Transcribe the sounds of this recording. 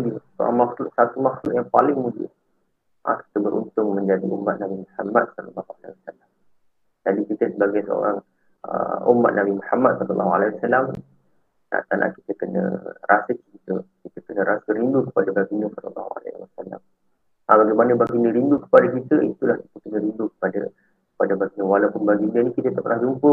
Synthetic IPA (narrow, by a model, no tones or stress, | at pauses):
mudiəsoɾa̰ŋmaxlʊʔsat̪umaxlʊʔjaŋpalɪŋmudə̰ | ʔa̰ki̥t̪əbəɾʔṵnt̪ʊŋmə̃ɲd͡ʒadiʔumːat̪̚nabimuħamat̪̚sɔlɑ̰lːɑɦuala̰iwasalam | d͡ʒadikit̪əsəbaɡajsəo̰ɾaŋ | ə̰ṵmːat̪̚nʔabimuħamat̪̚sɔlɑlːɑɦua̰laiwasalam | na̰ʔt̪anʔa̰ʔki̥t̪əkənə̰̃rasəkikit̪əkit̪əkənəɾasəɾindukə̥padabaɡinəsɔlə̰lːɑ̰ɦua̰la̰wasala̰m | abaɡajmanəbaɡinəɾindukə̥padakit̪əit̪ulahsə̥put̪unəɾindukə̥pada̰ | kə̥padabaɡinə̃walawpʊnbaɡinənĩkit̪ət̪aʔpənahd͡ʒumpʊr